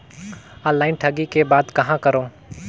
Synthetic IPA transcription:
ɔ̃ːlːaːɪnʈʰɐɡikebaːd̪kɐɦãkɐɾoː

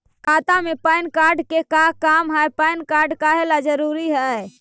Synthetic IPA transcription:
kat̪amepəɪnkaɾɖkekakamɦajpaɪnkaɾɖkaɦelad͡ʒəɾuɾiɦɛ

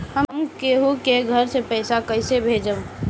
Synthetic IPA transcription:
ɦəmkeɦukeɡʱəɾsepəɪsakəɪsebʱeːd͡ʒəm

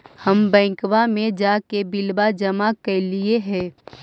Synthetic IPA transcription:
həmbɛ̃ːkwamẽd͡ʒakebɪlbad͡ʒəmakelieɦɛ̃ː

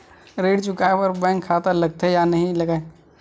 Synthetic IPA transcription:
ɾeːɽt͡ʃʊkaːepəɾbɛ̃ːŋkʰːat̪alɐɡ̚t̪ʰejanɐɦĩlɐɡaːe

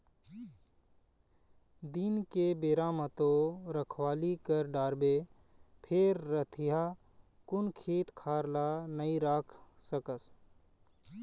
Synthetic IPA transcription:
d̪inkebeːɾaːmət̪oɾəkʰwaːlikəɾɖaːɾbe | pʰeːɾːət̪ʰija | kʊnkʰeːt̪kʰaːɾlanəiɾaːkʰsəkəs

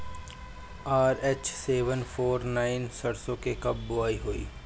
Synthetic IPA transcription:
aːɾeːt͡ʃseːʋənfʰoːɾnaːɪnsɐɽsõkekɐb̚ːʊaːiɦoːḭː

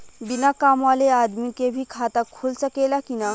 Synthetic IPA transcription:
binakamalead̪mikebʱikʰat̪akʰolsəkelakina

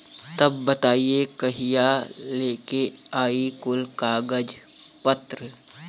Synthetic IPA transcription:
t̪ɐbːət̪aːiekɐɦijaleːkeaːikʊlkaːɡəd͡ʒ | pət̪ɾə

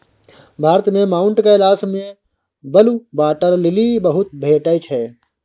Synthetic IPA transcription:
bʱaːɾt̪mẽmaːʊ̃ɳʈkaɪlaːsmẽ | bɐlubaːʈəɾlɪlibəɦʊt̪̚bʱeːʈəjt͡ʃʰɦɛː

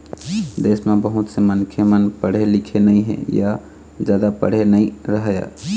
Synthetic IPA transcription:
d̪esmebəɦut̪sə̃mənkʰemənpəɽ̤elikʰenəiɦḛ̃ja | d͡ʒjad̪apə̰ɽ̤enəiɾəɦja̰

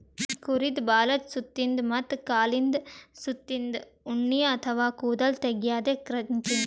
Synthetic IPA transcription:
kʊɾɪðbaːlɐt̪sʊt̪ːɪnd̪mɐt̪ːkaːlɪnd̪sʊt̪ːɪnd̪ | ʊɳːɪjɐːt̪ʰɐʋaːkuːðɐlt̪ɛɣɪjaːðeːkɾɐnt͡ʃɪn

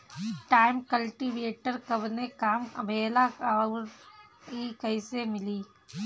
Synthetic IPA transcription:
ʈaːɪmkəlʈiʋeːʈəɾkɐbnekaːmɐ̰bʱeːlaaː | kikɐɪsemɪliː

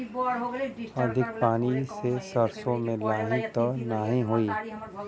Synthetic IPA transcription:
ɐd̪ʱɪk̚paːnisesəɾsõmẽlaːɦĩt̪ənaːɦĩɦoːiː

